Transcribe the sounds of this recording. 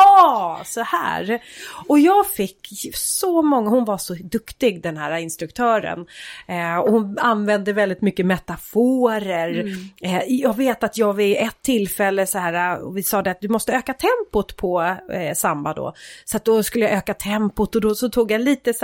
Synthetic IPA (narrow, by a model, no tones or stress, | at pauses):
ɑːsɔhæ̰ːɾɔjɑːɡfɪkːsɔmɔŋːahʊnvaʂɔd̪ɵkt̪ɪɡd̪ɛnhæːɾaɪnst̪ɾɵkt̪ʰœːɾə̰n | ɔhʊnanvɛnd̪əvɛld̪ɪt̪mʏkːəmɛt̪afoːɾəɾ | jɑːɡveːt̪at̪ʰjɑːɡɪʔɛt̪ʰːɪlːfɛlːəsɔhæːɾaɔ̰vɪsɑːd̪ɛat̪̚d̪ɵmɔst̪əøːkat̪ʰɛmpʊt̪pʰɔsambad̪ɔ̰sɔat̪̚d̪ɔskɵlːəjaʔøːkat̪ʰɛmpʊt̪ɔd̪ɔsɔt̪ʰuːɡjaliːt̪ə